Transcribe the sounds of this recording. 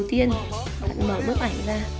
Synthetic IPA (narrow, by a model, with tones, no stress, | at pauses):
wt̪i˧ən | ɓa̰ː˧˨nməː˧˩ɗʊ˦˥k̚ʔa˧˩jŋzaː˧